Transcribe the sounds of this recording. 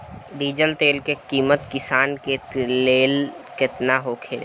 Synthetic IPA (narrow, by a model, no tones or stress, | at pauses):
ɖiːd͡ʒəlt̪eːlkekiːmət̪kɪsaːnkeleːlkɪt̪naɦoːkʰel